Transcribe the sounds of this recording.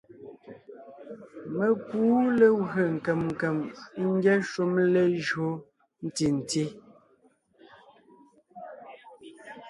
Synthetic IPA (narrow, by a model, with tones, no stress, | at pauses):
me˨kuː˦le˨wə˨ŋ̩˨kɛ˨mŋ̩˨kɛ˨m˦ŋ̩˦ɡjɛ˦ʃu˦mle˦ʒo˦ | n̩˦ti˨n̩˨ti˦